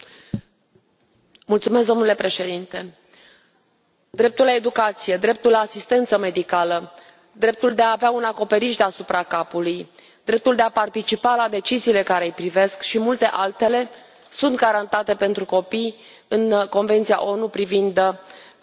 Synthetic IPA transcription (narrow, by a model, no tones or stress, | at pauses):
mult̪sumes̬d̪o̞nule̞pɾe̞ʃe̞d̪int̪e̞ | d̪ɾe̞p̚t̪ulae̞d̪ukat̪sije̞d̪ɾe̞p̚t̪ulaːsist̪e̞nt̪səme̞d̪ikalə | d̪ɾe̞p̚t̪uld̪e̞aːveaunako̞pe̞ɾiʃd̪asupɾakapuluj | d̪̥ɾe̞p̚t̪uld̪e̞apart̪it͡ʃipalad̪e̞t͡ʃiziːle̞kaɾejpɾive̞skʃimult̪e̞ʔalt̪e̞le̞ | sunt̪̚ɡaɾant̪at̪e̞pe̞nt̪ɾuko̞pij | ɨnko̞nve̞nt̪sia̰ʔo̞nupɾivind̪